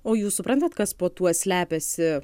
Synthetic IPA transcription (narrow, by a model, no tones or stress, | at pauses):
oːjuːssʊpɾɐnt̪ɐt̪kɐspoːt̪uɔsʲlʲæːpʲɛsʲɪ